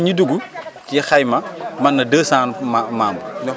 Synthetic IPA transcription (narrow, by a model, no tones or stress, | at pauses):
ɲiduɡut͡ʃjɛxɐjmɐmɐnːɐdəːsaːnamaːmbuɲɔ